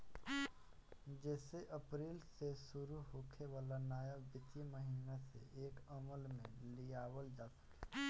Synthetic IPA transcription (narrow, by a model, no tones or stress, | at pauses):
d͡ʒɛːseʔɐpɾiːlsesʊɾuɦoːkʰeʋaːlanaːjəʋɪt̪iməɦiːnasḛeːkəməlmḛ̃lijaːwəld͡ʒaːsɐ̥ke̥